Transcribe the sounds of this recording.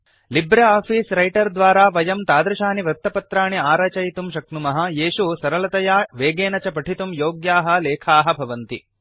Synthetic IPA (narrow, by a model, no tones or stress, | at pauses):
libɾeaːpʰiːsɾɐjʈɐɾd̪ʋaːɾaːʋɐjɐmt̪aːd̪ɾɐʃaːniʋɾɐt̪ːɐpɐt̪ɾaːɳiaːɾɐːt͡ʃɐjt̪umʃɐknumɐɦɐjeːʃusɐɾɐlɐt̪ɐjaːʋeːɡeːnɐt͡ʃɐpɐʈʰit̪umjoːɡjaːɦɐ̆leːkʰaːɦɐ̆bʱɐʋɐnt̪ḭ